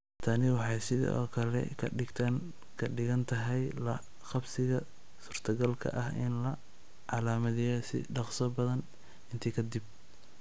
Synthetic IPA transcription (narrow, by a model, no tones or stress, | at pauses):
t̪ʰɐnɪwɑħɑjsɪð̰ɔ̰ːkʰɐlɛ̰kʰɐɪɡt̪ʰan | kʰɐɖɪɣɐnt̪ʰɐɦɛjlɐ | χɑbsɪɣɐ | suːrt̪ʰɐɡɐlkʰɐ̰ʔɐhɪnlɐ | ʕɑlaːmɐðɪjɔsɪ̰ɖɑqsɔbɐðɐn | ɪnt̪ʰiːkʰɐd̪ib̚